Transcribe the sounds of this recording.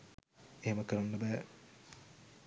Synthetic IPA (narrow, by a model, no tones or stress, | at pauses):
eɦeməkəɾanːɐbɛː